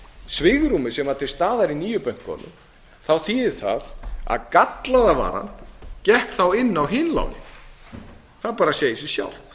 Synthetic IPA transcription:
svɪɣɾumɪsɛmaɾt̪ʰɪlst̪aːðaɾiniːjʏpœŋ̥kʰːɔ̰ːnʏ̰m | θawθiɪɾ̥θa̰ða̰ðkat̪laðava̰ːɾa̰ncɛhkθawɪnːawɦɪːnla̰wnɪ̰ | θaðpaːɾasjeːjsisja̰wl̥

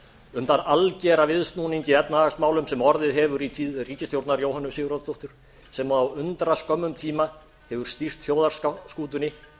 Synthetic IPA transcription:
ʏmt̪analcɛːɾavɪðst̪nuːniɲcɪɛtnaaksmaːwlʏmsɛmɔɾðɪðɦɛvʏɾit̪ʰiːðriːcɪst̪jowɾt̪naɾjoːwɦhanːʏsiːɣʏɾaðt̪ɔht̪ʏɾ̥ | sɛmawʏnt̪ɾaskœmːʏmt̪ʰiːma | hɛvʏɾ̥st̪ir̥t̪fjoːwðaɾ̥sskuːt̪ʏnɪ

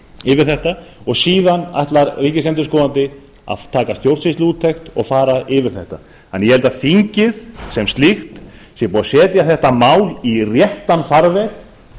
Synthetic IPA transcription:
ɪvɪɾ̥θɛht̪aɔɣsiːðana̰ht̪laɾriːcɪsɛnt̪ʏɾskɔːðant̪ɪ | a̰ðt̪ʰaːkast̪jowɾt̪sɪst̪luːt̪ʰːext̪ɔ̰ɣfaːɾaʔɪvɪɾ̥θɛht̪a | ɛnjɛhɛlt̪afiɲcɪðsɛmst̪lixt̪sjɛpuːɣasɛːt̪ɪjaθɛht̪amaːwlirjɛht̪anfaɾvɛɣ

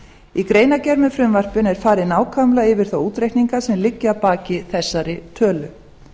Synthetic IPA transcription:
ikɾeːjnacɛɾmʏfɾɪmvar̥pɪnɛɾ̥faːɾɪnaːwkʰamlaɪvɪɾ̥θowuːt̪ɾejht̪niŋkasɛmlɪcːɪapaːcɪθɛsːaɾɪt̪ʰœːlʏ

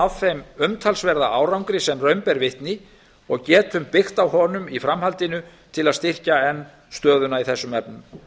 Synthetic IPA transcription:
awθejmʏmt̪ʰalsvɛɾðaaːwɾawŋkɾɪsɛmrœɥmpɛɾvɪht̪nɪ | ɔɣcɛːt̪hʏmpɪxt̪awhɔnʏmifɾamhalt̪ɪnʏ | t̪ʰɪlaðst̪ɪr̥caɛnː | st̪œːðʏnaiθɛsːʏmɛpnʏm

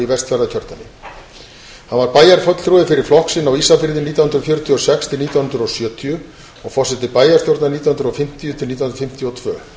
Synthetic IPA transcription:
ivɛst̪fɛɾðacʰœɾt̪nanːɪ | hanvaɾpaːjaɾ̥fœt̪l̥t̪ɾuðɪfɪɾɪɾ̥flɔhksɪnːawisafɪɾðɪniːt̪awhnɾʏfjœːɾʏt̪ʰjɔsɛkst̪ʰɪlniːt̪awhʏnɾʏɾɔsjœːt̪ʰiʏ | ɔɣfɔr̥sɛt̪ːɪpaːjaɾst̪jowɾt̪nanit̪ahʏnɾɔfɪm̥t̪ijʏt̪ʰɪlniːahnɾfɪm̥t̪ʰjɔt̪ʰvœː

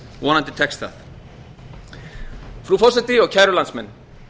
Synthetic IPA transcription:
wɔnant̪ɪt̪ʰɛkst̪a̰θ | fɾufɔsɛt̪iɔɣcʰajɾɔlansmɛn

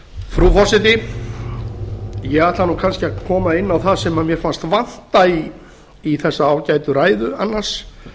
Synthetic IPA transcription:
fɾufɔsɪt̪̬ɪ | jɛɣat̪lanukʰanscɪakʰɔːmaɪnːawθaðsɛmamjɛɾ̥fanst̪van̥t̪aiː | θɛsːaaːwcajt̪ʏɾaːjðʏanːḁs

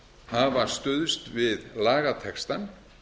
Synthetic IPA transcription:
havast̪ʏðʏst̪vɪðlaːɣat̪ʰɛkst̪an

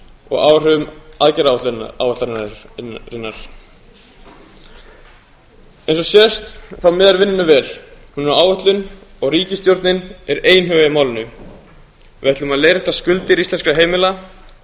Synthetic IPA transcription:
ɔ̰ɣa̰wr̥ʏvʏmaðcɛɾawt̪a̰wvɛht̪a | ɾɪnːaɾ̥ | ejnsɔsjɛst̪θawmɪːðaɾvɪnːʏnʏvɛːɾ̥hunʏaːwvʏht̪lʏnɔɣriːcɪst̪jowɾt̪nɪnɛɾeːjnɦœvajɪmaːwlɪnʏ | vɛht̪lʏmaðleːjɾɪht̪askʏlt̪ɪɾist̪ɛnskaɦeːjmɪla

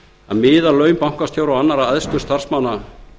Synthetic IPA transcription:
aðmɪːðalœːɥmpawŋ̥kast̪θjowɾawanːaɾaðɛðst̪ʏ̥st̪ar̥smana

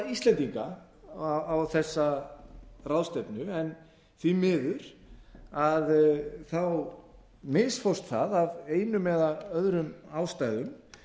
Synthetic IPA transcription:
ist̪lɛnt̪iŋka | awθɛsːa | rawðst̪ɛpnʏɛn | θvimɪːðʏɾ̥ | aðθaw | mɪsfowrst̪θaðaveːjnʏmɛːðaœðɾʏmaːwst̪ajðʏm

